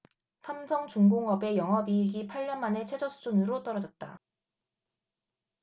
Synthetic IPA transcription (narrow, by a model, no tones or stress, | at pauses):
sʰamsʰʌŋt͡ɕuŋɡoŋʌbe̞jʌŋɦʌbiiɡipʰaɭːʌnmane̞t͡ɕʰed͡ʑʌsʰud͡ʑunɯɾot͈ʌɾʌd͡ʑʌt̚t͈a